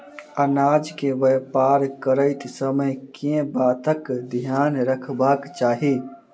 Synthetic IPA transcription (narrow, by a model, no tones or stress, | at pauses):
ɐnaːd͡ʒkeʋɛːpaːɾkəɾəɪt̪səməjkẽbaːt̪əkd̪ʱjaːnɾəkʰbaːkt͡ʃaːɦiː